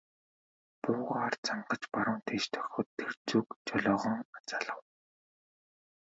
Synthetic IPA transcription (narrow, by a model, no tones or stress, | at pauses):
pʊːʁart͡saɴɢə̆t͡ɕpaɾʊːnt̪ʰeːʃt̪ʰœ̥xʲɔːt̪ʰːert͡suːkt͡ɕɔɮɔːʁɞ̆ŋat͡saːɮə̆w